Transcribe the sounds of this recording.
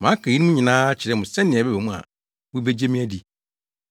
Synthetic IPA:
mã˨˦kʰa˨ji˦nĩ˦mũ˦ɲɪ̃˨nãː˦t͡ɕʰɪ˨ɾɛ˦˨mʊ̃˨sɛ̃˦nːɪ̃˨ɛ˨bɛ˦bɛ˨mũ˦a̰˨ | wʊ̃˦be˦d͡ʑe˦mĩ˦ɛ˦di˨

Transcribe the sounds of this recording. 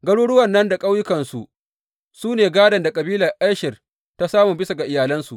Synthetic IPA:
ɡɐ˦ɽuː˦ɽʊ˦wɐ˨nːɐ˦nda˨kʼa˦wjʊ˦kɐ˨nsu˨ʔ | suː˦neː˨ɡaː˦dɐ˨nda˨kʼɐ˨biː˦lɐ˨rʔa˦jʃɪ˨r | ta˦saː˦mu˨bɪ˦sa˨ɡa˨ʔɪ˨jaː˨lɐ˦nsu˨ʔ

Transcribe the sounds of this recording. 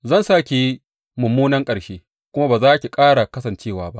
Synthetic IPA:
zɐ˦˨nsaː˦kʲe˦ | mʊ˨mːuː˦nɐ˦ŋkʼɐ˨ɽʃeː˦ | kʷʊ˦ma˦baː˨zaː˦kʲi˨kʼaː˦ɽa˨kɐ˦sɐ˨nt͡ʃeː˦˨waː˨ba˦ʔ

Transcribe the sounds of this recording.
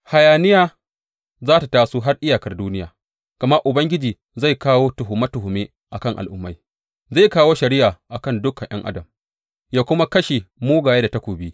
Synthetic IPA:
ha˨jaː˨nɪ˦jaː˦ | zaː˦ta˨taː˨suː˦ɦa˦rʔɪ˦jaː˨kɐ˨rduː˦nɪ˦ja̰ː˨ | ɡ̥ɐ˨ma˦ʔʊ˨bɐ˦ŋɡʲɪ˦d͡ʒiː˨ | za˦˨jkaː˦woː˦tʊ˨ɦʊ˨mɐ˦tʊ˨hʊ˨meː˦ | ʔa˨kɐ˦˨ŋʔa̰˨lʔʊ˦mːa̰˨˦j | za˦˨kaː˦woː˦ʃɐ˨ɾɪ˦ʔaː˨ʔa˨kɐ˦˨ndʊ˦kːɐ˨jʔɐ˦ŋʔa̰˦dɐ˨m | jaː˦kʷʊ˦ma˦kɐ˦ʃeː˨moː˦ɡaː˨jeː˦da˨ta˦kʷoː˨bi˦

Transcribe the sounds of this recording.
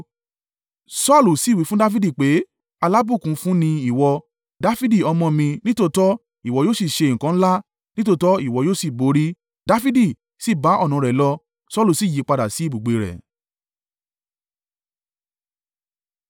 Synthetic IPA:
sɔ˦˨lu˨si˨˦˨wi˨˦fũ˦da˦fi˦di˦˨k͡pe˨˦ | a˧la˦bu˦˨kũ˨˦fũ˦nĩ˧i˦˨wɔ˧ | da˦fi˦di˦˨ɔ˧mɔ̃˧mĩ˧nĩ˦to˦˧tɔ˦ | i˨wɔ˧˦joː˦˨si˦˨ʃe˧˨ŋ̩˨kã˨˦ñ̩˦la˦ | nĩ˦to˧tɔ˦i˦˨wɔ˨˧˦joː˦˨si˦˨bo˨˧˦ɾi˦ | da˦fi˦di˦˨ | si˦˨ba˨˦ʔɔ˦˨nɔ̃˨˧ɾɛ˨lɔ˧ | sɔ˦˨lu˨si˦˨ji˨˦k͡pa˧da˨si˨˦bu˨ɡ͡be˨˧ɾɛ̰˨

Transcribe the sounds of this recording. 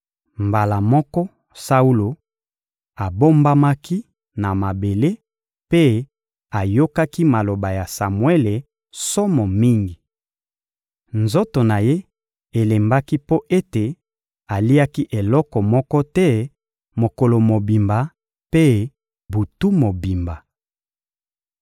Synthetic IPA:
mba˨la˨mɔ˦kɔ˦ | sa˦u˦lo˨ | a˨bo˦mba˦ma˦ki˦ | na˨ma˨be˨le˦ | pe˦ | a˨jo˦ka˦ki˦ma˨lo˨ba˨ja˨sa˨mwe˦le˨ | sɔ˦mɔ˨mi˦ŋɡi˨ | nzo˦to˨na˨je˦ | e˨le˨mba˦ki˦po˦ʔe˦te˨ | a˨li˦a˦ki˦ʔe˨lɔ˦kɔ˨mɔ˦kɔ˦tɛ˦ | mo˨ko˨lo˨mo˨bi˨mba˨ | pe˦ | bu˨tu˦mo˨bi˨mba˨

